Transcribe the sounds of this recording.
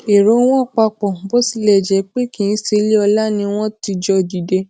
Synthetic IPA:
e˨ɾo˨˦w̃ɔ̃˦˨k͡pa˧k͡pɔ˨bo˦si˧˦lɛ˨d͡ʒɛ˧k͡pe˦kĩ˨ĩ˦se˧le˦ɔ˧la˦nĩ˧˦w̃ɔ̃˦ti˧d͡ʒɔ˧˨di˨de˧

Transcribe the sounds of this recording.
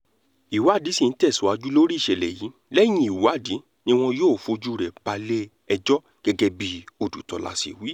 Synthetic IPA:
i˨wa˦˨di˨˦sĩ˦˨n̩˦tɛ˦˨su˨˦a˧d͡ʒu˦lo˦ɾi˦˨ʃɛ˨lɛ˨jĩ˨˦ | lɛ˦j̃ĩ˧i˨wa˨˦˨di˨˦ | nĩ˦w̃ɔ̃˧joː˦˨fo˧d͡ʒu˦˨ɾɛ˨ba˧le˦ | ɛ˧d͡ʒɔ˦ | ɡ̥ɛ˧ɡɛ˧bi˦o˧˨dṵ˨tɔ˨la̰˨˧sḭ˨wi˨˦

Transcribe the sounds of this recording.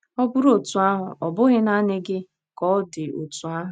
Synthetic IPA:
ɔ˦bʊ˦ɾo˨tu˨a˦ɦʊ˨ʔɔ˨bʊ˦ɣɪ˦na˦nɪ˦ɡɪ˦ | kɔː˦dɪ˨o˨tu˨a˦ɦʊ˨

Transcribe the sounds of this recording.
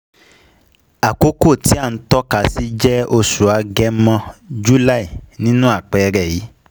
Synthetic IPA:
a˨ko˦ko˦˨ti˨˦a˦˨n̩˦tɔ˦ka˧si˦d͡ʒɛ˦o˧su˨a˧ɡɛ˧˦mã˧d͡ʒu˦la˦˨i˨nĩ˦nũ˦a˦˨k͡pɛ˧ɾɛ˨ji˨˦

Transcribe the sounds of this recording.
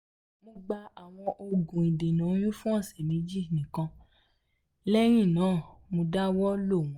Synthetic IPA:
mõ˧ɡ͡ba˧a˨w̃ɔ̃˧ʔo˧ɡũ˨ĩ˨de˨nũ˨˦j̃ũ˦fũ˦ã˦˨sɛ˨nĩ˨˦d͡ʒi˦˨nĩ˨kã˧ | lɛ˦ɾ̃ĩ˦˨nãː˨˦˨mõ˧da˦wɔ˦lo˦˨w̃

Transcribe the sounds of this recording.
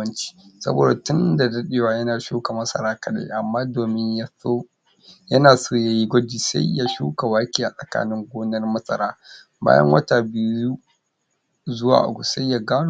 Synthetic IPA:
ɐ˦nt͡ʃi̥ː˦sɐ̰˦bo̰ː˨da˨tʊ˦nda˨dɐ˦ɗeː˨waː˦jɐ˦naː˨ʃuː˦ka˨mɐ˦sɐ̰˨ɾaː˦kɐ˨ɗa̰˦ʔa˨mːaː˦doː˨mɪ˦ɲja˦o˦ | jɐ˦naː˨soː˦˨ja˦ji˦ɡʷɐ˦d͡ʒiː˨sa̰˦jja˦ʃṵː˦ka˨waː˦kʲiː˦˨ʔa˨sʼɐ˨ka̰ː˦nɪ˦ŋɡʷoː˦nɐ˦rmɐ˦sʼɐ̰˨ɾaː˦ | ba̰ː˦jɐ̰˦ŋwɐ˦ta˨bi˨uː˦ | zʊ˦wa̰ː˨ʔa̰˨ɡʷu˨sa˦jja˨ɡaː˦n˨

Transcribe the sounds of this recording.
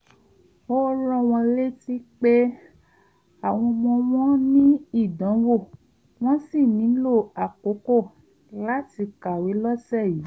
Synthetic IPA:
o˦lɔ̃˦w̃ɔ̃˧le˦ti˦k͡pe˦ | a˨w̃ɔ̃˧mɔ̃˧w̃ɔ̃˦nĩ˦i˦˨dɔ̃˨˦wo˦˨ | w̃ɔ̃˦si˦˨nĩ˨˦lo˦˨a˨ko˨˦ko˦˨ | la˦ti˧ka˨we˨˦lɔ˦sɛ˦˨ji˨˦

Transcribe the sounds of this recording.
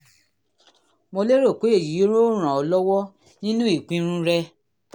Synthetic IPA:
mo˧le˦ɾo˦˨ko˨˦e˦˨ji˨˦o˦ɾo˦ɾ̃ã˨ɔ˧lɔ˦wɔ˦ | nĩ˦nũ˦i˦˨k͡pĩ˦ɾ̃ũ˦ɾɛ˦

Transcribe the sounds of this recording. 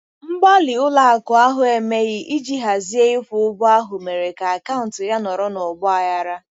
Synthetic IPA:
m̩˦ɡ͡bɔ˦lɪ˨ʊ˦la˨a˨kʊ˨a˦ɦʊ˨e˨me˦ɣɪ˦ʔi˦d͡ʒi˦ɦa˨zi˦e˦ɪ˦fʷʊ˨ʊ˦bʊ˦a˦ɦʊ˨me˨ɾe˨ka˨a˨ka˦ʊ˨n̩˨tɪ˨ja˦nɔ˨ɾɔ˦nʊ˨ɡ͡bʊ˦a˨ja˦ɾa˦

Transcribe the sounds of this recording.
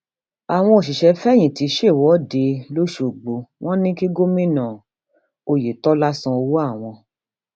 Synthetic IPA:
a˨w̃ɔ̃˧o˨ʃi˨ʃɛ˧fɛ˦˨j̃ĩ˨ti˨˦ʃe˦˨wɔ˨˦de˧lo˦ʃu˦˨ɡ͡bo˧w̃ɔ̃˦nĩ˦ki˦ɡo˦mĩ˦˨nã˨ | o˧je˨tɔ˦la˦sã˧o˧wo˦a˦˨w̃ɔ̃˧

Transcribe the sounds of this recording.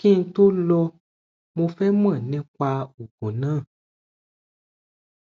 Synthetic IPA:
kĩ˦n̩˦to˦lɔ˧ | mõ˧fɛ˦m˦ã˦˨nɛ̃˦kwa˧u˨ɡ̥õ˨nãː˦˨

